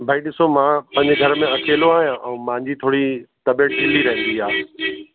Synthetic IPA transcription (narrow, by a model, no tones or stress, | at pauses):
bʱaĩɗɪsomãːpɐ̃ɦɪ̃ɲ̆d͡ʑeɡʱɐɾmẽɐkeːloaːɦijãʔɛ̃ːmãːɲd͡ʑit̪ʰoːɽit̪ɐbeːʈ̚ɦɪliɾɐɦnd̪iɦaː